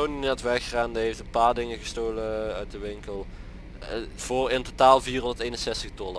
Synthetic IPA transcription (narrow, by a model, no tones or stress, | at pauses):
oninɛtʋɛrkəraːndiɦejftənpaːɹdɪŋəɣəstoːləœ̰ɥt̚dəʋɪŋkəlˠ | v̥oːrɪntotaːlˠviːrɦɔndətejnənsɛstəxtɔla